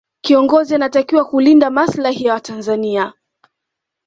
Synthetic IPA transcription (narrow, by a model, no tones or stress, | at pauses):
kiɔŋɡɔzianatakiwakulindamaslahijawatanzania